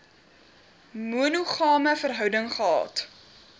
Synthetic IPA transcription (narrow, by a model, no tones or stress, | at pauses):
muənuχɑːməfərɦœwdəŋχəɑ̰ːt